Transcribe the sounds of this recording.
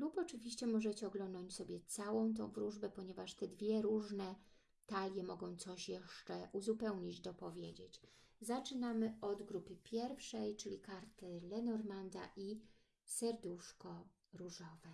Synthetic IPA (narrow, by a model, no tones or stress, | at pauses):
lupɔt͡ʂɘvʲiɕt͡ɕɛmɔʐɛt͡ɕɛɔɡlɔnd̪ɔɲt͡ɕsɔbʲjɛt̪sawɔ̃w̃t̪̬ɔ̰̃w̃vɾuʐbɛpɔɲɛvaʂt̪ɛd̪vʲjɛɾuʐnɛ | t̪alʲjɛmɔɡɔ̃w̃t̪sɔɕjɛʂt͡ʂɛʔuzupɛwɲid͡ʑd̪ɔpɔvʲjed͡ʑet͡ɕzat͡ʂɘnamɘɔd̪ɡɾupɘpʲjɛɾfʂɛjt͡ʂɘlʲikaɾt̪ɘlɛnɔɾmand̪a̰ʔi | sɛɾd̪uʂkɔ | ɾuʐɔvɛ